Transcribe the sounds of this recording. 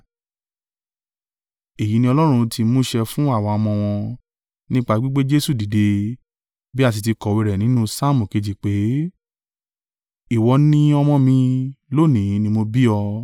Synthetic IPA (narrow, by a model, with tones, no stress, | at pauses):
e˨ji˨˦nĩ˧ɔ˧lɔ˦ɾ̃ũ˧tʰi˧mũ˦ʃɛ˧fũ˦a˦˨wa˧ɔ˧mɔ̃˧w̃ɔ̃˧ | nĩ˦k͡pa˧˦ɡ͡bi˦ɡ͡be˦d͡ʒe˦su˦˨di˨de˧ | bi˦a˦˨t̬i˧ti˧kɔ˨we˧ɾɛ˨nĩ˨˦nũ˦sa˦˨mũ˨ke˧d͡ʒi˨k͡pe˨˦ | i˨wɔ˧˦nĩ˦ɔ˧mɔ̃˧mĩ˧lo˦˨nĩ˨˦nĩ˧mo˧bi˦ɔ˧